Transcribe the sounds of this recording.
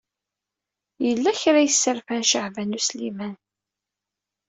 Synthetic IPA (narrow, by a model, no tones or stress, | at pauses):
jəlːæçɾajəsːəɾfænʃəʕvænuslimæn